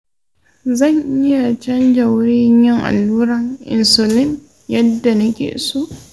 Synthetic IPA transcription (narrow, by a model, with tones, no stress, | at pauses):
zɐ˦˨ɲʔɪ˦ja˨t͡ʃɐ˦nd͡ʒɐ˨wʊ˦ɾɪ˦ɲjɪ˦ŋʔa̰˨lːuː˦ɾɐ˦ŋʔɪ̰˨nso˨lɪ˦n | jɐ˦dːa˨nɐ˦kʲḛː˨soː˦ʔ